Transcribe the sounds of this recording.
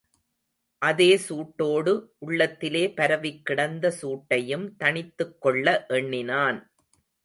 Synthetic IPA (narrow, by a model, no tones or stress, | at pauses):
ʔɐðeːsuːʈːoːɽɯʔʊɭːɐt̪ːɪleːpɐɾɐʋɪkːɪɽɐnd̪ɐsuːʈːɐjɯmt̪ɐɳɪt̪ːɯkːɔɭːɐʔɛɳːɪnaːn